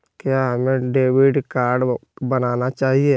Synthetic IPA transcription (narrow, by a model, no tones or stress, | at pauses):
kjaːɦɐmẽɖeːʋɪɖkaːɾɖbɐnaːnat͡ʃaːɦie